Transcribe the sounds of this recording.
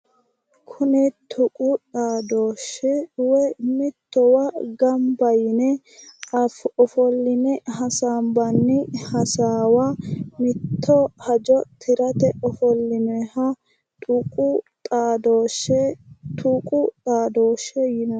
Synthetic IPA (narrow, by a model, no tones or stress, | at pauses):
kʰʊnɛt̪ʰʊkʼutʼaːd̪oːʃɛwɛmɪt̪ːɔwaɡɐmbɐjɪnɛ | ɐfɔfɔlːɪnɛɦɐsaːmbɐnːɪhɐsaːwamɪt̪ʰːɔhɐd͡ʒɔt̪ʰɪɾɐt̪ɛɔfɔlːɪnɛhɐ | t̪ʼukʼut̪ʼaːd̪oʃɛt̪ʰuːkʼʊt̪ʼaːd̪oːʃɛjɪnɔ